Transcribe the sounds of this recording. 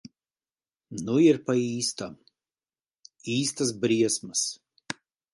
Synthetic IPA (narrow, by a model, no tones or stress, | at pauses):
nʊɪɾpɐiːst̪ɐ | iːst̪ɐs̬bʲɾʲiɛsmɐs